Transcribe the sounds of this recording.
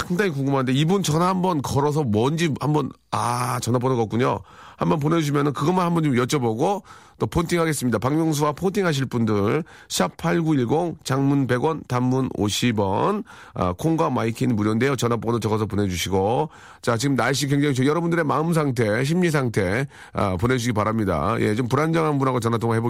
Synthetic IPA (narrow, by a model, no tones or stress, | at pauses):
saŋdaŋikoŋɡɯmɦanɯndeibunt͡ɕʌnahambʌnkʌɾʌs̬ʰʌmʌnd͡ʑihambʌn | at͡ɕʌnap̬͈onɯɡʌk͈uɲo̰ | hambʌnp̬one̞uɕ̬imjʌnɯnkɯɡʌmanɦhambʌnd͡ʑomjʌt͡ɕ͈ʌboɡot͈opʰontʰiŋhaɡe̞s͈ɯmɲidapaŋmjoŋs̬ʰuwapʰontʰiŋɦaɕ̬ʰiɭp͈undɯɭ | ɕʰapʰaɭɡuiɭɡoŋt͡ɕaŋmunpe̞ɡwʌntamːuno̰ɕʰibʌ̰n | ʌ̰kʰoŋɡwamaikʰinmuɾjonde̞jot͡ɕʌnap͈onɯt͡ɕʌɡʌs̬ʰʌpone̞d͡ʑuɕʰiɡo | t͡ɕat͡ɕiɡɯmnaɭɕ̬͈ʰik̬we̞ŋd͡ʑaŋit͡ɕʰojʌɾʌbundɯɾe̞maɯms̬ʰaŋtʰe̞ɕ̬ʰimɲis̬ʰaŋtʰe̞ | a̰pone̞d͡ʑuɕiɡipaɾamɲida̰jḛt͡ɕompuɾand͡ʑaŋɦanbunɦaɡot͡ɕʌnatʰoŋaɦebo